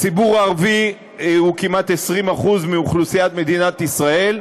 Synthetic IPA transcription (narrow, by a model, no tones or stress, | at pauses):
t͡sibuʁaʁvi | ukimat̪esʁimaχuzmiuχlusiat̪me̞d̪inat̪isʁae̞l